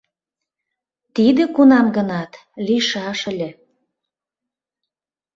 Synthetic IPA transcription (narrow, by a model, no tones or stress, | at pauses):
t̪id̪ĕkunɑmɡə̆nɑt̪ | liʃɑʃə̆lʲĕ